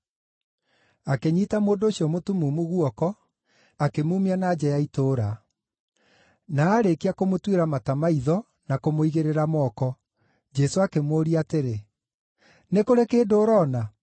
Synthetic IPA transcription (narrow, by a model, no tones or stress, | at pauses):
akeɲiːtamoːndoːɕiɔmotumumuɣwɔkɔ | akemuːmianaːd͡ʑɛjaitoːɾa | naːɾekeakomotweɾamatamaiðɔ | nakomoiɣeɾeɾamɔkɔ | d͡ʒɛsoakemoːɾiateɾe | nekoɾekeːdoːɾɔna